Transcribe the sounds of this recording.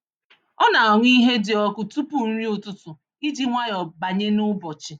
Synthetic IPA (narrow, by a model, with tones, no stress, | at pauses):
ɔ˦na˨ŋʷ˦i˦ɦe˦dɪ˨ɔ˦kʊ˨tu˦pu˦n̩˦ɾi˦ʊ˨tʊ˦tʊ˨ | i˦d͡ʒi˦ŋʷa˦jɔ˨ba˨ɲe˦nʊ˦bɔ˨t͡ʃɪ˨